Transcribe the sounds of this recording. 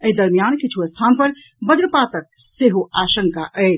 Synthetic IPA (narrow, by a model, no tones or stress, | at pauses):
əɦid̪əɾmijankit͡ʃʰuəst̪ʰanpəɾ | bəd͡ʒɾpat̪ək̚ | seɦoaʃəŋkaʔəl